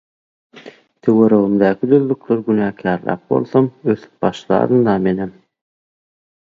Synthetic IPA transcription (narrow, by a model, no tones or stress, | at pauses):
t̪ʰeweɾøɣymd̪æːkʰid̪øðlykløɾɡynæːkʲʰæːɾlæ̰ːp̚bo̞̰lˠθomøθy̥p̚b̥ɑʃlˠɑ̰ːɾɯnd̪ɑmenem